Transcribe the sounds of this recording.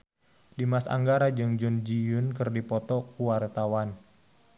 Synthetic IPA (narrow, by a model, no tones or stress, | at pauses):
dimasa̰ŋɡaɾad͡ʒɨŋd͡ʒʊnd͡ʒijʊnkɨrdipɔt̪ɔkuwart̪awan